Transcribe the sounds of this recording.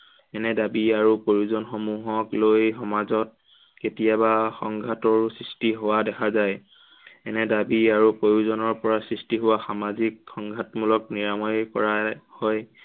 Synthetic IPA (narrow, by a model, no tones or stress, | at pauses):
ɛnɛdabiaɹupoɹjuzɔnxomuɦɔklojɦɔmazɔt̚ | ketijabaxɔŋɡʱatɔɹsɹistiɦowadɛkʰazaj | ɛnɛdabiaɹupɹoɹjuzɔnɔɹpɔɹasɹistiɦowaxamazikxɔŋɡʱatmulɔkniɹamɔjkɔ̰ɹahɔj